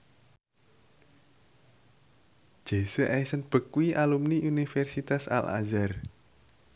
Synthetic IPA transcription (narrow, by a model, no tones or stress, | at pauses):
ʒ̥e̤səʔɛjsənb̥ə̤kwiʔalumniunifɛrsit̪asa̰la̰zar